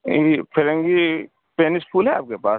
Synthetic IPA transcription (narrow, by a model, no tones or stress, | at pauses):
ipʰɪɾə̃ŋɡi | peːnɪspʰuːlɦɛa̰ːp̚kepaːs